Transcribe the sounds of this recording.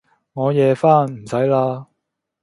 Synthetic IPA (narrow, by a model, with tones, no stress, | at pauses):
ŋɔː˨˧jɛː˨˧faː˥˩nm̩˨˩sɐ˨˥jlaː˧